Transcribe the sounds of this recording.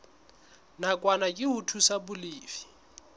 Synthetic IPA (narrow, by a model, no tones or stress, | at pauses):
nakʼwanakʼɪʊtʰusabʊliːfi̥